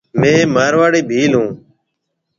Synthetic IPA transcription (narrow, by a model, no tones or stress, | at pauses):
mẽːmaːɾʋaːɽeːbʱiːlɦũː